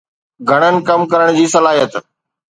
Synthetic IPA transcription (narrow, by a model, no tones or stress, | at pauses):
ɡʱɐɽ̃ənɪ̆kɐmkɐɾəɽ̃d͡ʑiːsɐlaːɦijət̪